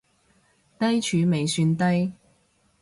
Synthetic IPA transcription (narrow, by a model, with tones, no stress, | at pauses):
t̪ɐ˥jt͡ʃʰyː˨˧me˨jsyː˧nt̪ɐ˥j